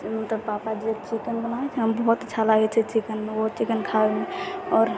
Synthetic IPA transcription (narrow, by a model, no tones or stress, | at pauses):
mət̪ləbpapad͡ʒet͡ʃikənbənawɛt͡ʃʰɛɦəmbəɦut̪t͡ʃʰalaɦɛt͡ʃʰɛt͡ʃikənmeot͡ʃikənkʰabemeɔːɾ